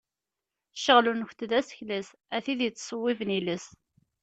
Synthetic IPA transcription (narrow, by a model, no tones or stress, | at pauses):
ʃəʁlunəçʷt̪ðæsə̥çlæs | æθiðjət͡sːsˤəwːivniləs